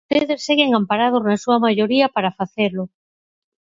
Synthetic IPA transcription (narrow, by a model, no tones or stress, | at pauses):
eðeseɣeŋampaɾað̞oznasuamaʝoɾiapaɾafaθeɾlo